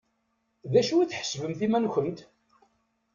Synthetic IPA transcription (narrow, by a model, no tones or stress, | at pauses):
ðæʃuiθħə̥svəmθimænçənt̪